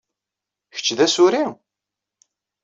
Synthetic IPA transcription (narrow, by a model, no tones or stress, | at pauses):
çə̥t͡ʃːðæsʊɾi